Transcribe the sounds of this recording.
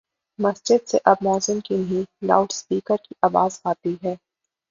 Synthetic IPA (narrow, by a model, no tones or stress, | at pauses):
mɐsd͡ʒɪd̪seʔɐb̚mɔːzɪmkinɐɦĩla̰ːʊʈspiːkəɾkiʔaːʋaːzaːt̪iɦɛː